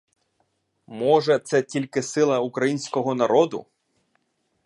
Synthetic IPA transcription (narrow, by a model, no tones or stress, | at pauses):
mɔʒɛt̪sɛtʲilʲkɪsɪlˠɐukɾɐjinʲsʲkɔɦɔnɐɾɔd̪ʊ̰